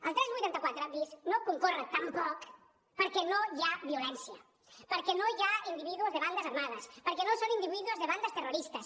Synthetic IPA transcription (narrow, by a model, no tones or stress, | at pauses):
əlˠt̪ɾɛzβujt̪ant̪əkwat̪ɾəbisnokuŋkɔrət̪ampɔk | pəɾkɛnojaβiulɛnsjə | pəɾkɛnojaind̪iβiðuozðeβand̪əzaɾmað̞əspəɾkɛnosonind̪iβiðuozðeβand̪əst̪əruɾist̪əs